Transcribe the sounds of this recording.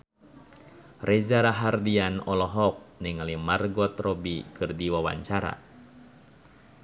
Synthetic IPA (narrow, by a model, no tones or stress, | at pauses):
rʔɛzaɾaɦardianɔlɔɦɔk̚niŋalimarɡɔt̪rɔbikɨrdiwawa̰ɲt͡ʃaɾa̰